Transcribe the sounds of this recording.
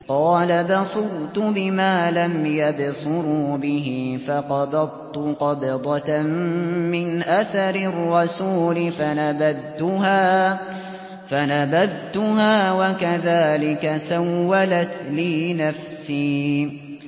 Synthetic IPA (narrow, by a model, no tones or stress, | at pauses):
qɑːlabɑsˤʊɾt̪ʊbɪmaːlamjabsʊɾuːbɪɦifɑqɑbɑd̪̚ˤt̪ʊqɑbd̪ˤɑmmɪnʔaθɑɾɪrːɑsuːlɪfanabaðt̪ʊɦaː | fanabaðt̪ʊɦaːwakaðaːlɪkasawːalat̪lɪːnafsiː